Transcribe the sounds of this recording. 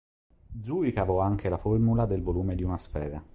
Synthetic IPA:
d̪zuikavɔaŋkelaformulad̪elvoluːmed̪iunasfɛːɾa

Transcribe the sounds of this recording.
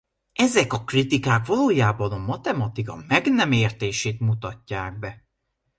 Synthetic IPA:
ɛzɛkɒkrit̪ikaːkvɒloːjaːbɒnɒmɒt̪ɛmɒt̪ikɒmɛɡnɛmeːrt̪eːʃeːt̪mut̪ɒcːaːɡ̚bɛ

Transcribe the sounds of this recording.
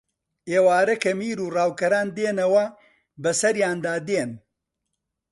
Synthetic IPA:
ʔeːwaːɾɐkɐmiːɾuːraːwkɐɾaːnd̪eːnɐwɐ | bɐsɐɾjaːnd̪aːd̪eːn

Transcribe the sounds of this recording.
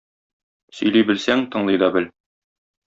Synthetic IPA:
sɵ̆jlibɘ̆lsæŋt̪ɤ̆ɴlˠɤjd̪ɒbɘl

